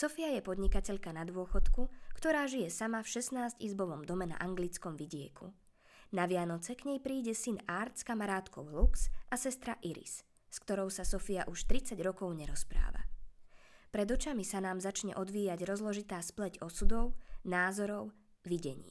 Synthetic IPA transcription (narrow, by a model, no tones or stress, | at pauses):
sɔfiajɛpɔd̪ɲikacɛʎkanad̪ʊɔxɔt̪kukt̪ɔɾaːʒijɛsamafʃɛsnaːzcizbɔʋɔmd̪ɔmɛna̰ʔaŋɡlit͡skɔmʋiɟɪɛ̰kʰṵ | naʋɪanɔt͡sɛkɲɛjpɾiːɟɛsinaɾt̪skamaɾaːt̪kɔʊluksʔasɛst̪ɾaʔiɾḭs | skt̪ɔɾɔʊsasɔfia̰ʔuʃt̪ɾit͡saɟɾɔkɔʊɲɛɾɔspɾa̰ːʋa̰ | pɾɛd̪ɔt͡ʃamisanaːmzat͡ʃɲɛ̰ʔɔd̪ʋiːjaɟɾɔzlɔʒit̪aːsplɛɟɔsud̪ɔʊnaːzɔɾɔʊ | ʋiɟɛ̰ɲḭː